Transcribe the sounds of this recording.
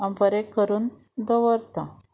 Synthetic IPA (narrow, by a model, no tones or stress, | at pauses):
ãmpəɾekəɾuːn | d̪ɔʋəɾt̪ã